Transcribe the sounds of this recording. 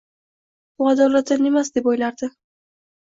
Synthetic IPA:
ʊad̪ɒlat̪̚d̪ane̞masd̪e̞pojlaɾd̪ɪ

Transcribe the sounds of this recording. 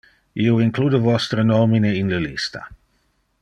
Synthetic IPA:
ioiŋkluːd̪evɔst̪ɾənomineinləlist̪a̰

